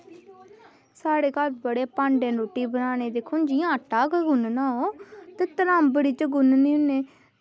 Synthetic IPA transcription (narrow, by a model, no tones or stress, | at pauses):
saːɽeːkalbəɽeːpãːɳɖẽːɾoːʈiːbənaːneːd̪eːkʰoːnd͡ʒiːãːʈaːkːɡʊnnaːoːt̪eːt̪əɾãːmbəɽiːt͡ʃəɡʊnniːʊneː